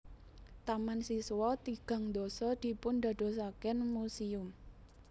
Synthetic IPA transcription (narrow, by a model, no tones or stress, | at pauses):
t̪amansiswɔt̪iɡ̥a̤ŋd̪osɔd̪̥i̤pʊnd̪a̤d̪̥o̤s̬akɛnmusiʊm